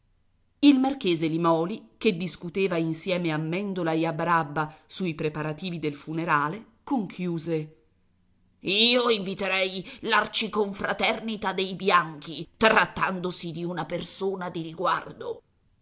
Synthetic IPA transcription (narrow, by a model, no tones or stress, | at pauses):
ilmark̟eːzelimɔːliked̪ːiskut̪eːvainsjɛːmeamːɛnd̪olaeabɾabːasuipɾepaɾat̪iːvid̪elfuneɾaːle | koŋkʰjuːze | iːoiɱvit̪eɾɛjlart͡ʃikoɱfɾat̪ɛrnit̪ad̪ejbjaŋkit̪ɾat̪ːand̪osid̪iunapersoːnad̪iɾiɡwa̰rd̪o